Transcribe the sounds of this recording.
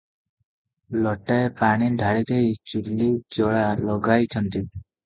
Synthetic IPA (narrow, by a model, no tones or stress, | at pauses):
lɔʈaepaɽid̪ʱaɽit̪ejt͡ɕulːid͡ʑɔɭalɔɡajt͡ɕʰɔnt̪i